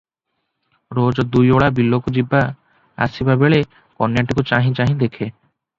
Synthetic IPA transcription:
ɾod͡ʑd̪ujoɭabilːokod͡ʑibːa | a̰sibabeɭe | kɔnːjaʈikut͡ɕaɦĩt͡ɕaɦĩd̪ekʰe

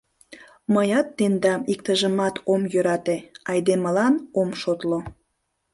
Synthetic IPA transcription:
məjɑt̪ːend̪ɑmikt̪əʒəmɑt̪ʰomjøɾɑt̪eɑjd̪eməlɑnomʃot̪lo

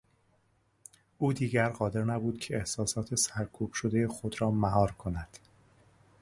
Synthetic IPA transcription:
ʔuːd̪iːɟæɾɢɒːd̪e̞ɾnæbuːd̪̥cʰe̞ehsɒːsɒːt̪ʰe̞sæɾkʰuːb̥ʃod̪e̞jexo̞d̪ɾɒːmæɦɒːɾkʰo̞næd̪̥

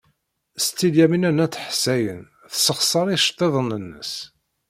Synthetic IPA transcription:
st̪ːiljæminænæt͡sːəħsæjən | θsəχsˤɑɾˤiʃt̪ˤːeðˤənənːə̰s

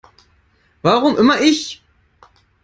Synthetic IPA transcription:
vaʁʊmʔɪmɐʔɪç

